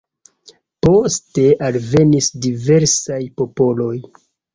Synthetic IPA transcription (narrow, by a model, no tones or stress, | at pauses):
po̞ste̞ʔalve̞nisdive̞ɾsajpo̞po̞lo̞j